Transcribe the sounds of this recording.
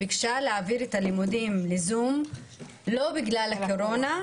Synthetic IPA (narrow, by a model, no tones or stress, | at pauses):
ikʃaleaːviʁetalimudimlezum | lo̞biɡlalako̞ɾo̞na